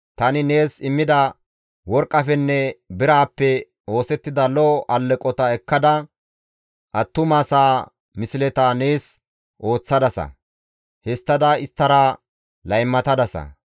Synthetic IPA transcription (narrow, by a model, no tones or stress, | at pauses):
t̪ɐnɪne̞ːsɪmːɪd̪ɐ | wɔɾkʼːɐfɛnːɛbɪɾaːpːɛ | o̞ːsɛt̪ːɪd̪ɐlɔʔɐlːɛkʼɔt̪ɐɛkːɐd̪ɐ | ʔɐt̪ːʊmaːsaː | mɪsɪlɛt̪ane̞ːs | ʔo̞ːt͡sːɐd̪ɐsɐ̰ | hɛst̪ːɐd̪ɐɪst̪ːɐɾɐ | lɐjmːɐt̪ɐd̪ɐsɐ̰